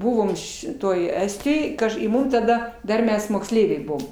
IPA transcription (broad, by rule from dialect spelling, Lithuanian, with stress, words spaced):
ˈbʊʋoːm ʃʲɪˈtoːj ˈæːsʲtʲɪjoːj ˈkɐʃ ɪ ˈmʊm tɐˈdɐ ˈdɐr ˈmʲɛs moːksʲˈlʲɛɪʋʲɛɪ ˈbuɔm